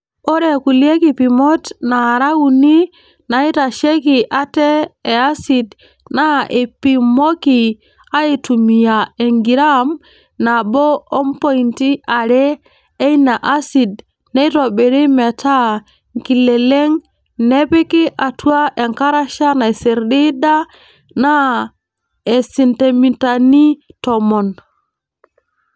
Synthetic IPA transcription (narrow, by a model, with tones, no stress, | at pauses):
o˦ɾe˨ku˨li˦e˦ki˨pi˨mo˦tna˨ɾa˦wu˨ni˦ | na˨i˦ta˨ʃe˦ki˨ʔa˨teː˦˨a˦si˨d | na˦ʔe˨pi˨mo˦ki˨ | a˦i˨tu˨mi˨ja˨e˨ŋɡi˨ɾa˦m | na˨bo˦o˦mpo˦i˨nti˦ʔa˨ɾeː˦ | jna˨ʔa˦si˨d̚ | ne˦jto˨be˨ɾe˦me˨ta˦ | ŋki˨le˨le˦ŋ | ne˦pe˦ki˦ʔa˨tu˦a˦ʔe˨ŋka˦ɾa˦ʃa˦na˨jse˨ɾdi˦da˦ | na˦ | e˨si˨nte˨mi˨tani˦tomɔ˨n